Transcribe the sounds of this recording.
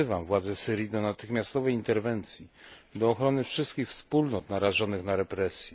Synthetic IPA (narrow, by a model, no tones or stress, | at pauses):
ɘvamvwad̪zɛsɘɾʲjid̪ɔnat̪ɘxmʲjast̪ɔvɛjint̪ɛɾvɛnt̪sʲjid̪ɔːxɾɔnɘfʂɘst̪̚kʲixfspulnɔt̪naɾaʐɔnɘxnaɾɛpɾɛsʲjɛ